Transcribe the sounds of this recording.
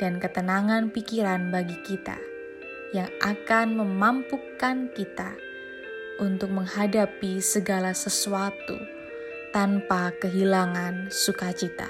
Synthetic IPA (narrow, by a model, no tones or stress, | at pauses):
d̥ankət̪ənaŋanpikiɾanbaɡikit̪a̰ | jaŋʔakanməmampukankit̪a | ʔunt̪ʊk̚məŋhadapisəɡalasəsuat̪ṵ | t̪anpakəɦilaŋansukat͡ʃit̪a̰